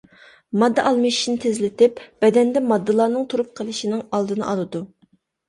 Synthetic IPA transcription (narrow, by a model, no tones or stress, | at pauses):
mɑd̪ːɑʔɑlˠmɨʃi̥ʃnɪt̪ʰɪzlɪt̪ɪpb̥ɛd̪ɛnd̪ɛmɑd̪ːɨlˠɑːnɨŋt̪ʰuɾup̚qʰəlˠɨʃinɪŋɑlˠd̪ɨnɨ̰ʔɑlˠɨd̪u